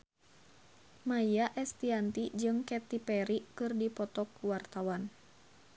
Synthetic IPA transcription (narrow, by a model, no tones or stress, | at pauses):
majjaʔɛst̪iant̪id͡ʒɨŋkɛt̪ipɛɾikɨrdipɔt̪ɔkuwart̪awan